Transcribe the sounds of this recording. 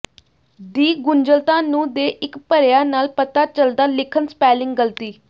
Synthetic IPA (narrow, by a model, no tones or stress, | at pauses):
d̪iːɡʊnd͡ʒəlt̪ãːnũːd̪eːʔɪkpəɾɪjaːnaːlpət̪aːt͡ʃəld̪aːlɪkʰənspɛːlɪ̃ŋɡɡəlt̪iː